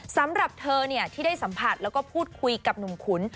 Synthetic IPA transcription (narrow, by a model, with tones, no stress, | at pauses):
sa˨˦mɾa˨˩p̚t̪ʰɤː˧ni˥˩ɐt̪ʰiː˥˩da˥˩jsa˩˦mpʰa˨˩t̪̚lɛː˦˥wkɔː˥˩pʰuː˥˩t̪̚kʰu˧jka˨˩p̚nu˨˩mkʰu˩˦n